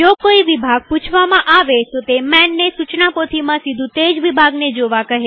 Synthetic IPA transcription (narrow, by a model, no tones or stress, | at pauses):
d͡ʒokoiʋibʱaɡ̚put͡ʃʰʋamãʔaʋet̪ot̪emɛnːesut͡ʃnapot̪ʰimãsid̪ʱũt̪ed͡ʒʋibʱaɡned͡ʒoʋakəɦe